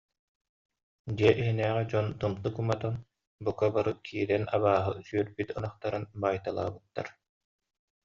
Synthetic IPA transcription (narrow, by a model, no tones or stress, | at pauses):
d̪iɛʔiɦinɛːʁɛd͡ʑɔnt̪ɯmt̪ɯkumat̪ɔn | bukabaɾɯkʰiːɾɛnaβaːɦɯsyœɾbit̪ɯnaχt̪aɾɯnbaːjt̪alˠa̰ːbɯt̪ːa̰ɾ